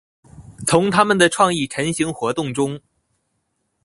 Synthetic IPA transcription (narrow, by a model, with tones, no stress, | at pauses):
t͡sʰʊ˧˥ŋt̪ʰa˥mə˨nd̪ə˩ʈ͡ʂʰwɑ˥˧ŋi˥˩ʈ͡ʂʰə˧˥nɕi˧˥ŋxwɔ˧˥t̪ʊ˥˩ŋʈ͡ʂʊ˥ŋ